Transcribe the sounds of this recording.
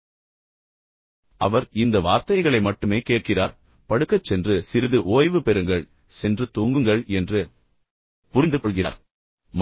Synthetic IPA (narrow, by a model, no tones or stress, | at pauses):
ɐʋɐɾɪnd̪ɐʋaːɾt̪ɐɪɣɐɭɐɪmɐʈːɯmeːkeːʈ̚kɪraːɾ | pɐɽɯkːɐt͡ʃːɛndrɯsɪɾɯðɯʔoːjʋɯpɛɾɯŋɡɐɭ | sɛndrɯt̪uːŋɡɯŋɡɐɭɛndrɯ | pʊɾɪnd̪ɯkɔɭɣɪra̰ːɾ | m